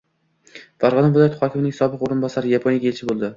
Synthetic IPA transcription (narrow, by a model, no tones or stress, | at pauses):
faɾʁɒnɒbolˠat̪χɒkʲʰɪmɪnɪŋsɒbɨqoɾɪnbɒsaɾɪjapʰonjaɡʲaelt͡ʃʰɪbolˠd̪ɪ